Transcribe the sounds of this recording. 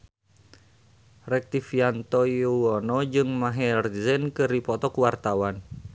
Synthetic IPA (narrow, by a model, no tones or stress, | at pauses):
rɛk̚t̪ifiant̪ɔjuwɔnɔd͡ʒɨŋmaɦɛrzənkɨɾipɔt̪ɔkuwart̪awan